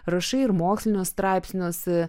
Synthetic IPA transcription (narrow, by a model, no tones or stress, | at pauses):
ɾɐʃɐɪɪɾmoːksʲlʲɪnʲoːsst̪ɾɑˑɪpʲsʲnʲoːs